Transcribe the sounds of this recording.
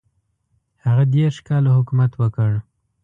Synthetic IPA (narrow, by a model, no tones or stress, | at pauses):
haɣad̪eɾʃkɑlahʊkumat̪wəkəɽ